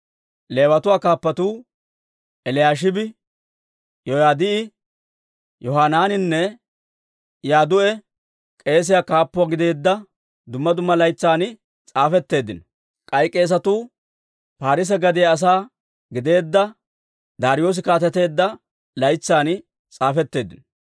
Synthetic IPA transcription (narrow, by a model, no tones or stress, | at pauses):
le̞ːwɐt̪ʊwaːkaːpːɐt̪uː | ʔɛlɪjaːʃ̬ɪbɪ | jɔjaːd̪ɪɪ | jɔɦaːnaːnɪnːɛ | jaːd̪ʊʔɛ | kʼe̞ːs̬ɪjakaːpːʊaɡɪd̪e̞ːd̪ːɐ | d̪ʊmːɐd̪ʊmːɐlɐjt͡sːaːn | t͡sʼaːfɛt̪ːe̞ːd̪ːɪnɔ | kʼɐjkʼːe̞ːs̬ɐt̪uː | paːɾɪs̬ɛɡɐd̪ɪjaːs̬aː | ɡɪd̪e̞ːd̪ːɐ | d̪aːɾɪjo̞ːs̬ɪkaːt̪ɛt̪e̞ːd̪ːɐ | lɐjt͡sːaːn | t͡sʼaːfɛt̪ːe̞ːd̪ːɪn